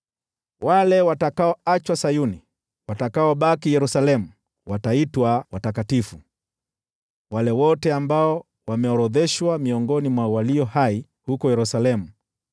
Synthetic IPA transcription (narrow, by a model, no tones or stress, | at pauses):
walɛwatakaɔat͡ʃwasajuni | watakaɔɓakijɛɾusalɛmu | wataitwawatakatifu | walɛwɔtɛambaɔ | wamɛɔɾɔðɛʃwamiɔŋɡɔnimwawaliɔhai | hukɔjɛɾusalɛmu